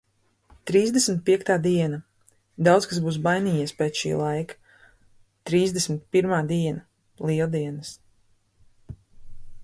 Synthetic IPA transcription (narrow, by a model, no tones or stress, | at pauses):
t̪ɾiːzd̪esmʲit̪̚pʲiɛkt̪aːd̪iɛna | d̪awt̪skasbuːs̬bajniːjiːɛspeːt̪sʃḭːlˠajkḁ | t̪ɾiːzd̪esmit̪̚piɾmaːd̪iɛna | lˠiɛlˠd̪iɛnɨs